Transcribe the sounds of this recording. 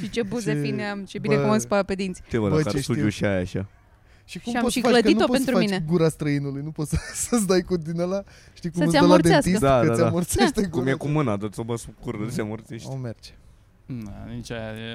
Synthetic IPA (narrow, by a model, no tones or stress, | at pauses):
ʃit͡ʃebuzefineamt͡ʃebibnekumɨspaped̪int̪si̥t̪evəbaaɾʃt̪ud̪ijuʃiajaʃa̰ | ʃikumapoʃfalədkəinuopoent̪ɾufamit͡ʃneɡuɾast̪ɾəinulujnupot̪səsəsd̪ajkud̪inəla | ʃt̪ijkumseaalad̪east̪isd̪akəaaamort̪seʃt̪ekkumjekumɨnad̪osobəskuɾɨseamoɾt̪seʃtomert͡ʃe̥ | anit͡ʃaja